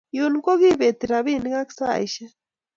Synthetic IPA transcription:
jo˨ni˦ko˦ɣi˦βe˨t̪i˨ɾa˨βi˦ni˦ɣa˦ki̥˦sa̰˦˨ḭʃa˦

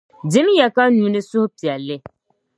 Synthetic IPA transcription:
dɪ˦m˦jɛ˨ka˦nũ˨˦nɪ˦sʊ˦hpi˨ɛ˨lːɪ˦

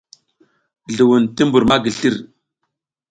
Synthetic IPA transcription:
ɮu˨wu˨nti˦mbu˨ɾma˦ɡi˨ɬi˦ɾ

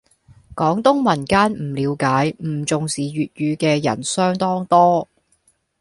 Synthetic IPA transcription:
kɔː˨˥ŋt̪ʊ˥ŋmɐ˨˩nkaː˥nm̩˨˩liː˨˧wkaː˨˥jm̩˨˩t͡sʊ˨ŋsiː˨ɥyː˨t̚jyː˨˧kɛː˧jɐ̰˨˩nsœː˥ŋt̪ɔː˥ŋt̪ɔː˥

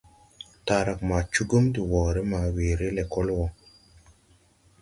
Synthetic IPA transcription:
ta˨ɾa˨k̚ma˨t͡ʃu˦ɡu˦mdi˨wɔː˨ɾe˦ma˨weː˨ɾe˦lɛ˨kɔ˦lwɔ˨

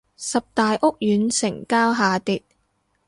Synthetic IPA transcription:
sɐ˨p̚t̪aː˨jʔʊ˥k̚jyː˨˥nsɪ˨˩ŋkaː˥wɦaː˨˧t̪iː˨t̚

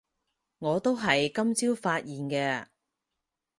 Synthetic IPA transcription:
ŋɔː˨˧t̪o˥wɦɐ˨jkɐ˥mt͡siː˥wfaː˧t̚jiː˨nkɛː˧

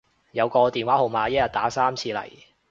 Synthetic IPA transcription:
jɐ˨˧wkɔː˧t̪iː˨˩nwaː˨˥ho˨wmaː˨˧jɐ˥jɐ˨t̚t̪aː˨˥saː˥mt͡sʰiː˧lɐ̰˨˩j

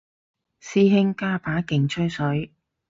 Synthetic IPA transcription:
siː˥ɦɪ˥ŋkaː˥pʰaː˨˥kɪ˨˩ŋt͡ʃʰɵ˥ɥsɵ˨˥ɥ

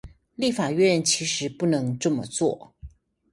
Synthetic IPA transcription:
li˥˩fa˨˩ɥɛ˥˨nt͡ɕʰi˧˥ʂɻ̩˧˥pu˥˩nɤ˧˥ŋʈ͡ʂɤ˥˩mə̰˨t͡swɔ̰˥˩

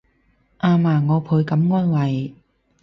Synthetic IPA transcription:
ʔaː˧maː˨˩ŋɔː˨˧pʰuː˨˧jkɐ˨˥mŋɔː˥nwɐ˨˩j

